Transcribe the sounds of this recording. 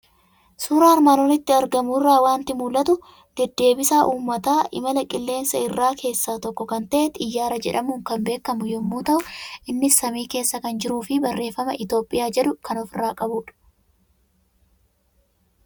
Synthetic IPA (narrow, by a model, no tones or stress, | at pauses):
suːɾaːɐɾmaːlɔnɪt̪ːɪɐɾɡɐmʊɪrːaːwaːnt̪ɪmuːlɐt̪ʊ | d̪̥ɛd̪ːe̞ːbɪsaːʔuːmːɐt̪aːʔɪ̰mɐlɐkʼɪlːe̞ːnsɐɪrːaːkʰe̞ːsːaːt̪ɔkːɔkɐnt̪ɐʔet̪ɪjːaːɾɐd͡ʒɛᶑɐmuːŋkɐmbe̞ːkːɐmʊjʊmːuːt̪ɐʔʊʔɪnːɪsːɐmiːke̞ːsːɐkɐnd͡ʒɪɾuːfɪbɐrːe̞ːfːɐmɐʔɪt̪o̞ːpʼɪjaːd͡ʒɛᶑʊkɐnɔfɪraːkʼɐbuːᶑɐ̥